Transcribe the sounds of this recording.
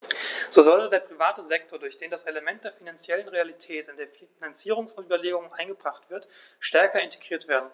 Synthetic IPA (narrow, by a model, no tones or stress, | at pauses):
z̥oːzɔltədeːɐpʁ̥ivaːtəzɛk̚tʰoːɐdʊɐçd̥eːndasʔeləmɛnt̚d̥eːɐfinant͡sjɛlənʁealitʰɛːtɪndeːɐfinant͡siːʁ̞ʊŋsʊnyːbɐleːɡʊŋʔaɪnɡəbʁaχtv̥ɪɐtʃtɛɐkɐɪntʰe̥ɡ̥ʁiːɐtv̥eːɐdn̩